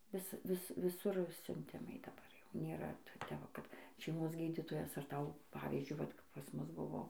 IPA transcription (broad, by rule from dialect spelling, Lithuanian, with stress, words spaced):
ˈʋʲɪs ˈʋʲɪs ʋʲɪˈsʊr sʲʊnʲˈtʲɪmɐɪ dɐˈbɐr jɛʊ nʲeːˈrɐ ˈtʲɛ ʋɐ ˈkɐt ʃʲɛɪˈmoːs ˈɡʲiːdʲiːtoːjɛs ɐr ˈtɐʊ ˈpɑːʋʲiːzʲd͡ʒʲʊɪ ˈʋɐt kɐp pɐs ˈmʊs ˈbʊʋoː